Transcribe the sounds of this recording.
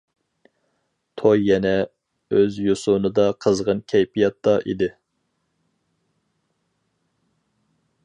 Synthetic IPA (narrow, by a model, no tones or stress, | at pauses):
t̪ʰojːɛnɛ | øzjosʊnɨd̪ɑqʰəzʁənkʲʰɛjpʰijɑt̪ːɑʔḭd̪ɪ